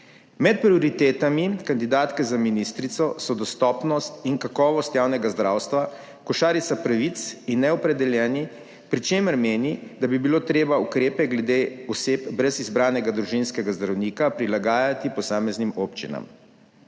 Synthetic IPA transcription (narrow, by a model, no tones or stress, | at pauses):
mɛt̪̚pɾioɾit̪eːt̪amikand̪id̪aːt̪kɛzaminist̪ɾit̪sɔsɔd̪ɔst̪ɔːpnɔst̪iŋkakɔːʋɔst̪jaːwnɛɡazd̪ɾaːwst̪ʋa | kɔʃaːɾisapɾaʋit̪sinːɛɔpɾɛd̪ɛljɛːni | pɾit͡ʃeːməɾmeːnid̪abibiloːt̪ɾeːbaukɾeːpɛɡlɛd̪eːɔseːpbɾɛzizbɾaːnɛɡad̪ɾuʒinskɛɡazd̪ɾawniːkapɾilaɡaːjat̪ipɔsaːmɛznimoːpt͡ʃḭna̰m